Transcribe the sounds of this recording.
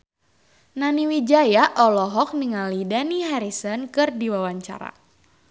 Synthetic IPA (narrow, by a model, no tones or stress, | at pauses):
naniwid͡ʒajaʔɔlɔɦɔk̚niŋalidaniɦaɾisɔnkɨrdiwawaɲt͡ʃa̰ɾa̰